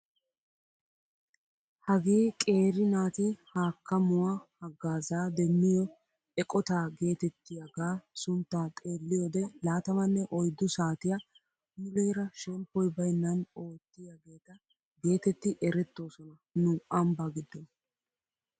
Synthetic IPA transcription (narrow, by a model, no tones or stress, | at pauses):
hɐɡeːkʼe̞ːɾɪnaːt̪ɪhaːkːɐmʊwahɐɡːaːzaːd̪ɛmːɪjɔ | ɛkʼɔt̪aːɡe̞ːt̪ɛt̪ːɪjɐɡaːsʊnt̪ːaːt̪ʼe̞ːlːɪjɔd̪ɛlaːt̪ɐmɐnːɛʔɔjd̪ːʊsaːt̪ɪja | mʊleːɾɐʃɛmpːɔjbɐjnːɐno̞ːt̪ːɪjɐɡe̞ːt̪ɐ | ɡe̞ːt̪ɛt̪ːɪʔɛɾɛt̪ːo̞ːsɔnɐ | nʊʔɐmbaɡɪd̪ːɔ